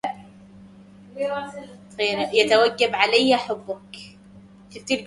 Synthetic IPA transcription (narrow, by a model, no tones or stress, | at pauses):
eːɾajat̪awaɡːabʕalajːaħʊbːʊk | ʃɪt̪ɪlɡ